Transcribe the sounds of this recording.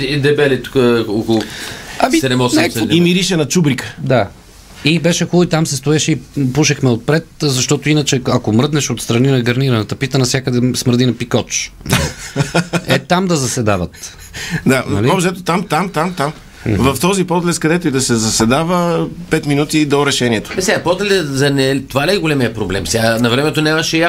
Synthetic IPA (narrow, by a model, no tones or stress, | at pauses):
d̪ɛbɛlit̪u̥kəoklˠʊɐmisɛnɛmɔsɛimiɾiʃɛnɐt͡ʃubɾikə̥d̪a | ibɛʃɛxulˠit̪amsɛst̪oɛʃɛipuʃɛxmɛot̪̚pɾɛt̪zɐʃt̪ɔt̪oinɐt͡ʃɛɐkomɾɤd̪nɛʃot̪st̪ɾɐninɐɡɐɾniɾɐnɛt̪ɐpit̪ənɐfsʲjakəd̪ɛsməɾd̪inɐpikɔt͡ʃ̪ | ɛt̪amd̪ɐzɐsɛd̪avɐt̪ | d̪aɐ̰liɔbʃɛt̪ot̪amt̪amt̪amt̪am | vɐft̪ɔzipɔt̪lɛtskɐd̪ɛt̪oid̪ɐsɛzɐsɛd̪avəpɛt̪minut̪id̪ɔɾɛʃɛniɛt̪o̥bɛsapɔd̪lʲɛzɐnɛt̪ovalʲiɛɡolɛmijəpɾoblɛmsʲnɐvɾɛmɛt̪onʲamɐʃɛa